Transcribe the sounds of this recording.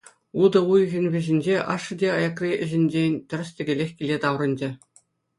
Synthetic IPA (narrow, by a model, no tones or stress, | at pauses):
ud̪ɤ̆ujɣʲɘ̆nʲʋʲɘ̆ʑʲɘ̆nʲd͡ʑeʔɑʂːɤ̆dʲeɑjɑkrʲiʔɘ̆ʑĕnʲd͡ʑʲenʲt̪ʲɘ̆r̆ʲsʲtʲɘ̆ɡʲĕlʲexʲkʲilʲet̪ɑʋrɤ̆nʲd͡ʑɘ̆